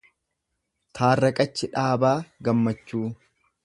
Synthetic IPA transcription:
t̪ʰaːrːɐkʼɐt͡ʃːɪᶑaːbaːɡɐmːɐt͡ʃːuː

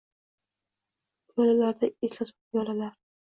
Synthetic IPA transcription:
olalaɾd̪aeslat̪ʰʊ̥jɒlalaɾ

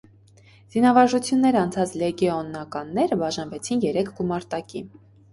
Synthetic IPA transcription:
z̥inɑvɑɾʒut͡sʰjunːɛɾɑnt͡sʰɑt͡sʰlɛɡɛɔnːɑkɑnːɛɾəbɑʒɑnvɛt͡sʰinjɛɾɛkʰɡumɑɾt̪ɑki

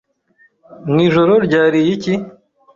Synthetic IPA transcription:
niʒoɾoɾɟaːɾijici

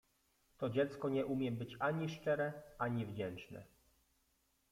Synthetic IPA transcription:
t̪ɔd͡ʑɛt̪skɔɲɛʔumʲjɛbɘt͡ɕaɲiʂt͡ʂɛɾɛaɲivd͡ʑɛnt͡ʂnɛ̰

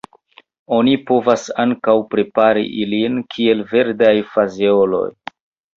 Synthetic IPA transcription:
o̞nipo̞vasaŋkawpɾe̞paɾḭʔilinkʰie̞lve̞ɾdajfazeolo̞̰j

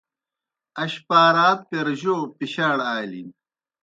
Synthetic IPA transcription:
ɐɕpaːɾaːpeɾʑoːpiɕaːɽaːlḭ

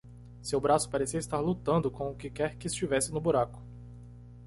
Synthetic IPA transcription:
sewbɾasʊ̥paɾesiɐɪst̪aɾlut̪ɐ̃nd̪ʊkõʊkɪkɛɾkɪːst͡ʃivɛsɪnʊbuɾakʊ̥

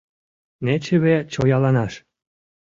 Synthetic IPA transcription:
net͡ɕeβet͡ɕojɑlɑnɑʃ

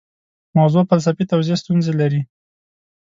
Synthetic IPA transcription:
mawzofals̬afit̪awzest̪unzelaɾi

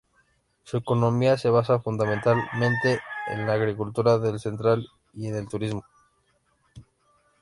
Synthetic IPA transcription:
sue̞ko̞no̞miase̞β̞asafund̪amẽnt̪almẽnt̪e̞ḛnlaːɣɾikult̪uɾaðe̞lse̞nt̪ɾal | ie̞ne̞lt̪uɾizmo

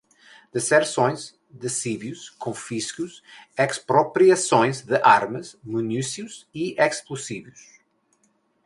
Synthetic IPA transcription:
d̪̥ɨsɛɾsõj̃z | d̪ɨsivjuʃkʰõfiʃkuzɛkspɾɔpɾiɐsõj̃zðɨʔaɾmɐzmunusjiuziɛksplˠusivjuʃ

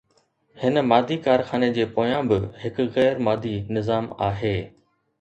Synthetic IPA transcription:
hɪnmaːd̪ʱikaːɾxaːned͡ʑeːpoːjãbɪɦɪkɣɛːɾmaːd̪ʱinɪzaːmaːɦeː

